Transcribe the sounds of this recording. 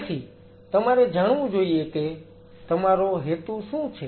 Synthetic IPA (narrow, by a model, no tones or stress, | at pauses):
sʰiː | t̪əmaːɾeːd͡ʒaːɳ̃ʋũd͡ʒoːieːkeː | t̪əmaːɾoːɦeːt̪uʃũːt͡ʃʰeː